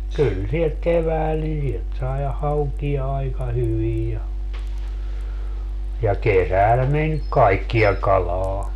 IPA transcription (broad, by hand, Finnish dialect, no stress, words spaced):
kyl sihek keʋæːl ni sielt sɑi hɑukiɑ ɑikɑ hyʋij jɑ jɑ kesæl men kɑikːijɑ kɑlɑː